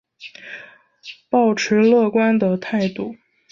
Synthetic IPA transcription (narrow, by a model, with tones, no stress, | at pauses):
pɑ˥˩ʊʈ͡ʂʰɻ̩˧˥lɤ˥˩kwa˥nd̪ə˨t̪ʰa˥˧ɪt̪u˥˩